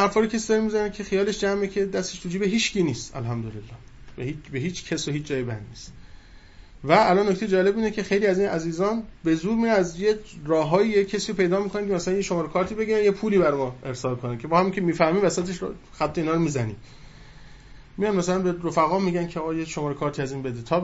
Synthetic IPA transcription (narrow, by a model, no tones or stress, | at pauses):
æɾfɒːɾicʰesid̪ɒɾimizænicʰe̞xijɒːle̞ʃd͡ʒæmecʰe̞d̪æst̪eʃɾuːd͡ʒiːbeɦiːt͡ʃciːniːst̪æ̰lɦæmd̪olelːɒː | behibeɦiːt͡ʃcʰesohiːt͡ʃʰd͡ʒɒːjebæ̰d̪niːst̪ | væːlɒnːoct̪ʰejed͡ʒɒːle̞biːnecʰe̞xejliːæziːnæziːzɒːnbe̞zuːɾmiːɾeæzjerɒːɦɒːjijeːesiːɾopʰe̞jd̪ɒːmiːkʰonænkʰemæsælænjeʃo̞mɒːɾekʰɒːɾt̪ʰiːbe̞ɡiːɾænjepʰuːliːbæɾmɒːe̞ɾsɒːlkʰonæcʰe̞bɒːhæmicʰe̞miːfæhmiːvæsæt̪ʰeʃ | xæt̪ʰːeiːnɒːɾomiːzænḭː | mijɒnmæsælænbe̞ɾofæɣɒːmiːɡænkʰeɒːɣɒːjeʃomɒːɾekʰɒːɾt̪ʰiːæziːnbe̞d̪et̪ʰɒː